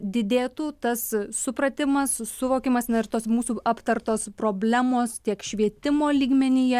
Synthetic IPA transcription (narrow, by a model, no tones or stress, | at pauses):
d̪ʲɪd̪ʲeːt̪uːt̪ɐssʊpɾɐt̪ʲɪmɐssʊʋoːkʲɪmɐsnɐɪrt̪oːsmuːsuːɑpt̪ɐrt̪oːspɾoːbʲlʲæːmoːst̪ʲiɛkʃʲʋʲiɛt̪ʲɪmoːlʲiːɡmʲɛnʲɪjɛ